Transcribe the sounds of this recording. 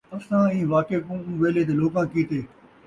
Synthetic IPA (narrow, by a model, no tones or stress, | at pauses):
ɐsãːĩːʋaːkeːkũːũːʋeːleːt̪̬eːloːkãːkiːt̪eː